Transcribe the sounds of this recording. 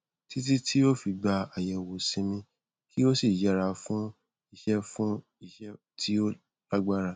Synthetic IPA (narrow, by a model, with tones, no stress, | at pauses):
ti˦t̬i˦tʰi˦o˦fi˧ɡ͡ba˧a˨jɛ˨wo˨sĩ˨˦mĩ˧ | kʰi˦o˦si˦˨d͡ʒɛ˨˦ɾa˧˦fũ˦ | i˧ʃɛ˦fũ˦ | i˧˨ʃɛ˦ | tʰi˦o˦ | la˦ɡ͡ba˦ɾa˧˨